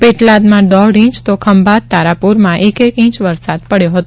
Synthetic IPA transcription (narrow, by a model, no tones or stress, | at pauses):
peʈlad̪mãd̪ɔɽĩt͡ʃt̪okʰəmbʱat̪̚t̪ːaɾapuɾmãʔekekĩt͡ʃʋəɾsad̪̚pəɽjoɦət̪o